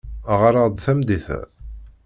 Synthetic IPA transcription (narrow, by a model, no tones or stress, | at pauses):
ʁəɾˤɑd̪ˤθæmd̪iθæ̰